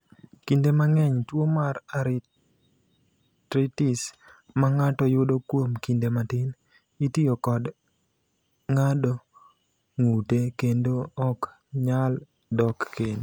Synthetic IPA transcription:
kindemaŋɛɲtwomaraɾɪ | tɾitɪs | maŋatɔjʊdokwomkindematɪn | itiokɔd | ŋado | ŋutekendoɔk | ɲal | dɔkken

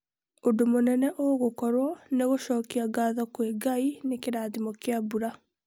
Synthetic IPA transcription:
odomonɛnɛʔoɣokɔɾwɔneɣoʃɔːkiaɡaːðɔkwɛɡainekeɾaːðimɔkjabuɾa

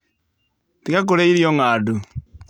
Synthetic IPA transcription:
tikak̬oɾeiɾjɔŋadu

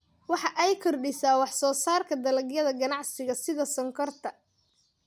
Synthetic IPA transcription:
wɑħɑʔɛjkʰɔrɖɪsaːwɑħsɔːsaːrkʰɐd̪ɐlɐɡjɐðɐɡɐnɑʕsɪɣɐsɪðɐsɔŋkʰɔrt̪ʰɐ

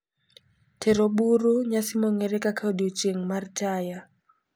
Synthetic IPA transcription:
tʰɛɾoɓuɾuɲasimɔŋɛɾɛkakʰadot͡ʃeŋmartʰaja

